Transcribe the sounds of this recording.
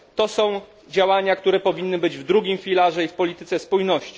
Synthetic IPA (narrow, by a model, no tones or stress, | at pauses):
t̪ɔsɔ̃w̃ | d͡ʑawaɲakt̪uɾɛpɔvʲinːɘbɘd͡ʑvd̪ɾuɡʲimfʲilaʐɛifpɔlʲit̪ɘt̪sɛspujnɔɕt͡ɕi̥